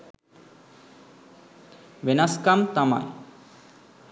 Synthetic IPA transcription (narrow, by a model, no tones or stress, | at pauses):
ʋenaskamt̪ama̰j